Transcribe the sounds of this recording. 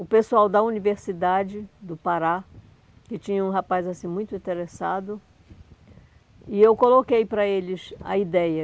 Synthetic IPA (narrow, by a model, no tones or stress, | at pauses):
ʊpesuawd̪ɐuniveɾsid̪ad͡ʒɪd̪ʊpaɾa | kɪt͡ʃĩɲɐũɦapajzasĩmũj̃t̪ʊĩnt̪eɾesad̪ʊ | ɪewkolokejpɾɐelɪsɐ̰id̪ɛjɐ